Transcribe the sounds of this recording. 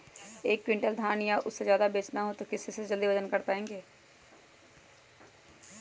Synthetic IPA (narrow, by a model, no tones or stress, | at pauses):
eːkːwɪ̃ɳʈəld̪ʱaːnjaʔʊsːezjaːd̪abeːt͡ʃnaɦoːt̪okɪsːesed͡ʒəld̪iʋəd͡ʒənkəɾpaːẽːŋɡeː